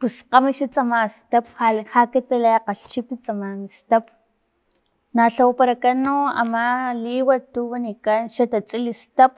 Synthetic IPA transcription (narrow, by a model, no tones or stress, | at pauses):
pusqamiʃat͡sʼamast̪ap̚hahakit̪alaaqaɬt͡ʃipit͡sʼamanst̪ap̚ | naɬawapaɾakanoa̰maliwat̪uwanikanʃat̪at͡sʼilist̪ap̚